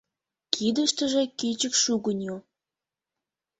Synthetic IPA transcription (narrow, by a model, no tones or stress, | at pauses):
kʰid̪əʃt̪əʒĕkit͡ɕəkʃuɣənʲo